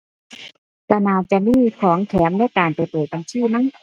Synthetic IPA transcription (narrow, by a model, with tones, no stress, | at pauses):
ka˧naː˧˩t͡ɕa˧˨miː˧˥˨kʰɔː˩˦ŋt̪ʰɛː˩˦mna˧˥˨jkaː˨˩npa˨˩jpɤː˨˩t̪̚a˨˧˩ŋsʰɯː˧˥˩na˧˥˨ŋ